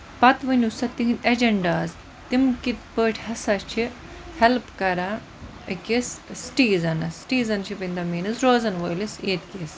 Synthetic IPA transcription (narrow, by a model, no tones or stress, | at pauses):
pɐt̪ʋɨnʲusɐt̪iɦinɐd͡ʒɐɳɖaːz | t̪imkit̪pəːʈʰhɐsɐt͡ʃʰi | helpkɐɾa | əkʲissʈiːzɐnɐsʈiːzɐnt͡ʃʰipind̪ɐmiːnɨzɾoːzɐnʋoːliseːt̪kʲis